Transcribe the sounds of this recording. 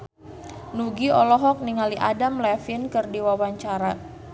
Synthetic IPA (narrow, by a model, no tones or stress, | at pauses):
nuɡiɔlɔɦɔk̚niŋaliʔadamlɛfinkɨrdiwawaɲt͡ʃaɾa